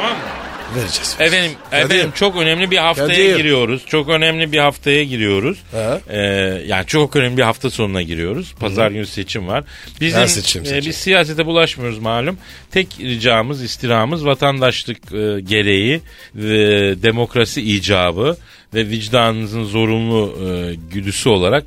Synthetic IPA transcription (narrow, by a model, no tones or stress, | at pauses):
amamveɾed͡ʒɛevenimeenimt͡ʃʰo̞kø̞nɛmlʲibiɦaft̪ʰajaɡiɾijo̞ɾuz̥t͡ʃʰo̞kø̞nɛmlʲibihaft̪ʰajaɟiɾijo̞ɾuz̥ɛja̰ːnit͡ʃʰokønɛmlʲibiɦaft̪ʰaso̞nunaɟiɾijo̞ɾuz̥pʰazaɾɟynse̞t͡ʃʰimvaɾ̥ | bizimbizsijaːs̬et̪ʰɛbulˠaʃmajo̞ɾuzmaːlʲym | t̪ʰɛcɾid͡ʒaːmɯzist̪ʰiɾaːɯmɯzvat̪ʰand̪aʃlˠɯkɯɟe̞ɾe̞ji | d̪e̞mo̞kɾasiiːd͡ʒaːbɯ | vɛvid͡ʒd̪aːnɯmɯzɯnzo̞ɾunlˠuɟyd̪ysyo̞lˠaɾak̚